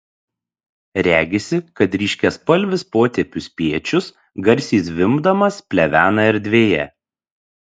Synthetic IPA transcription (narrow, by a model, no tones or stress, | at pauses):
ɾʲæːɡʲesʲɪkɐt̪ɾʲiːʃʲkʲɛspɐlʲʋʲɪspoːt̪ʲɛpʲʊspʲiɛt͡ʃʲʊs | ɡɐɾʲsʲiːsʋʲɪmbd̪ɐmɐspʲlʲɛʋʲæːnɐɪɾd̪ʲʋʲeːjɛ